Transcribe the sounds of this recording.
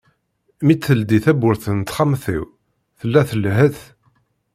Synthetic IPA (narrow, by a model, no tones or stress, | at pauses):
mit͡s̪ːəld̪iθæbʊɾθənt̪χamθḭw | θəlːæθəlɦəθ